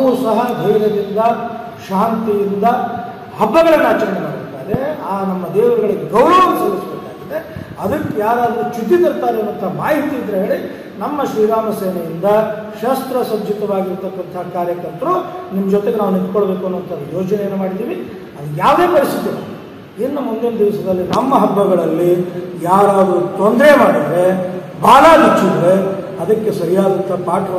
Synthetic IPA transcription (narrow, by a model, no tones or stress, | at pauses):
ʋusɐɦɐd̪ʱɐjʋɾɐd̪ind̪ɐ | ʃaːnt̪ijind̪ɐ | ɦɐbːɐɡɐɭɐnːaːt͡ʃɐnɐnemaːɡt̪aːɾeaːnɐmːɐd̪ɛːʋuɾɐɡɐɭiɡeɡɐwɾɐʋɐnːeseːɾisbeːkaːɡid̪eɐd̪ɐkːejaːɾaːd̪ɐɾut͡ʃud̪ːit̪ɐɾt̪aːɾeɐnːʋɐnt̪ʰɐɦmaːɦit̪iːd̪ɾɐɦeːɭi | nɐmːɐʃɾiːɾaːmɐseːnɐjind̪ɐ | ʃɐst̪ɾɐsɐd̪ʱit̪ɐʋaːɡiɾt̪ɐkːʋɐnt̪ʰɐɦɐkaːɾjɐkɐɾt̪ɐɾunimːɐd͡ʒɔt̪eɡenaːʋunit̪koɭbe̞ːkuɐnːʋɐnt̪ʰɐd̪ujoːd͡ʒɐnejeːnːumaːɽid̪iːʋi | ɐd̪ɐjaːʋd̪e̞ːpɐɾisid̪ːilu | inːumund̪inɐd̪iʋsɐd̪ɐlːinɐmːɐɦɐbːɐɡɐɭɐlːijaːɾaːd̪ɾut̪ond̪ɾemaːɽid̪ɐɾe̞ | bʱaːlaːd̪ɐt͡ʃːid̪ɐɾe̞ | ɐd̪ɐkːe̞sɐɾijaːd̪ɐnt̪ʰɐpaːʈɐɾɐ